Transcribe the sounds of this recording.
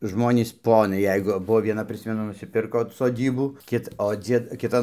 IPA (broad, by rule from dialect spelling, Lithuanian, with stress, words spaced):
ˈʒmoːnʲiːs ˈpoːnɐɪ ˈjɛɪɡʊ ˈbʊʋoː ʋʲiɛˈnɐ ˈpʲrʲɪsʲmʲɛnʊ nʊsʲɪˈpʲɪrkoː soːˈdʲiːbuː ˈkʲɪt oː ˈd͡zʲiɛt ˈkʲɪtɐn